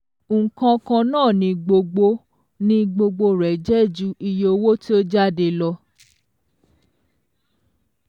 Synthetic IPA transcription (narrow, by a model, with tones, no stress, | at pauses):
ŋ̩˨kã˧kã˧nãː˦˨nĩ˧ɡ͡bo˧ɡ͡bo˧ | nĩ˧ɡ͡bo˧ɡ͡bo˧ɾɛ˨d͡ʒɛ˦˨d͡ʒu˦i˧jo˨˧wo˦ti˦o˦d͡ʒa˦˨de˧lɔ˧